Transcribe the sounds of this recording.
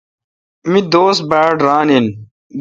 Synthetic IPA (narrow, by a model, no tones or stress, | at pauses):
mid̪oːs̚baːɖɾaːnin | d̪